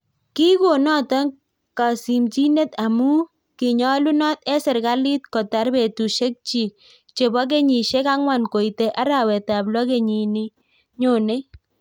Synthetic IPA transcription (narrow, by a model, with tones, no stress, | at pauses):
ki˦ko˨nɔ˦tɔ˦n | ka˨si˨mt͡ʃi˦ne˦ta˨mu˦ | ki˨ɲɔ˦lu˦nɔ˦tɛ˦sɪ˨ɾka˦li˦t̚kɔ˨ta˨ɾbe˨tu˨ʃe˦k̚t͡ʃi˨ | t͡ʃe˨ba˦k̬e˦ɲi˨ʃe˦ka˦ŋwa˨nko˨i˨te˨ʔa˦ɾa˨wɛ˨ta˨blwɔ˦ke˨ɲi˨ni˦ | ɲo˨ne˦